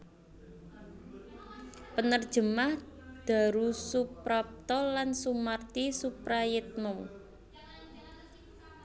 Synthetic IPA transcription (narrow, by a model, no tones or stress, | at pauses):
pənərd̥ʒ̥ə̤mahd̪̥a̤ɾusupɾɔp̚t̪ɔlansumart̪isupɾajɪt̪̚mɔw